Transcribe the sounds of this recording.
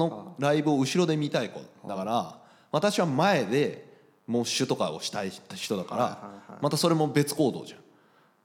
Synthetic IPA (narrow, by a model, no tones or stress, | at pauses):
no̞ɾaibɯ̟o̞ɯ̟ɕiɾo̞d̪e̞mʲit̪aikod̪akaɾa | βat̪aɕiβamae̞d̪e̞ | mo̞ːɕɨt̪o̞kao̞̰ɕi̥t̪aiɕi̥t̪o̞d̪aka̰ɾa̰mat̪aso̞ɾe̞mo̞be̞t͡sɨ̥ko̞ːd̪o̞̰ːʑã̰